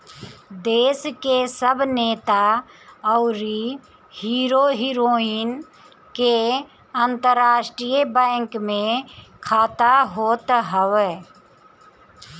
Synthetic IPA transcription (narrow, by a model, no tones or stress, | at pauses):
d̪eːskesəbneːt̪a | ɔʊɾi | hiːɾoːɦiɾoːiːn | ke | ənt̪əɾaːʃʈɾijbɛ̃ːŋkmẽkʰaːt̪aɦoːt̪ɦəʋeː